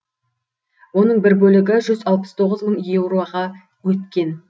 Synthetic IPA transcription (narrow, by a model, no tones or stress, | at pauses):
wo̞nəɴbɪɾbɵlɪɡʲɪʒʏzɑlˠpə̥st̪ʰo̞ʁəzməŋje̞vroaʁɑ | wɵt̪kʲe̞n